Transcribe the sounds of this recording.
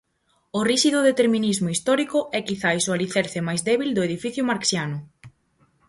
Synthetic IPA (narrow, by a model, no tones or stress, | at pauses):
ʊriʃiðʊðet̪eɾmĩnizmʊist̪ɔɾikʊʔɛkiθaisoaliθɛɾθɪmajzðɛβild̪ʊeð̞ifiθjʊmaɾksjanʊ